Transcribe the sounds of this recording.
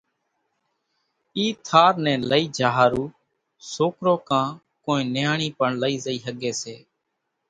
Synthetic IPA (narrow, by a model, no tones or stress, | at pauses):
iːt̪ʰaːɾnɛ̃ːləiːd͡ʒʱaːɦaːɾuː | soːkɾoːkãː | kõːĩːnɪjaːɳiːpəɳləiːzəiːɦəɠeːseː